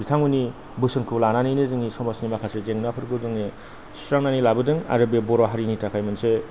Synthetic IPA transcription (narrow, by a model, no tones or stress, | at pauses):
bitʰaŋuni | bɯsɯnkʰɯlananinezɯŋisɔmasnimakʰasezeŋnapʰɯɾɡɯdɯŋe | stɾaŋnanilabɯdɯŋa̰ɾɯbeboɾaɦaɾinitakʰajmɯnse